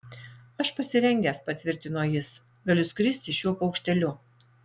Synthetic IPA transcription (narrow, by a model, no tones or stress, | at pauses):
ɐʃpɐsʲɪɾʲɛŋʲɡʲɛːspɐt̪ʲʋʲɪɾʲt̪ʲɪnoːjɪs | ɡɐlʲʊskɾʲɪsʲt̪ʲɪʃʲjuɔpɒʊkʃʲt̪ʲɛlʲʊ